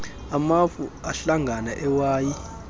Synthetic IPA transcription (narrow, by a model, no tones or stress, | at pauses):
amafuaɬaŋɡʱanaʔɛwaːji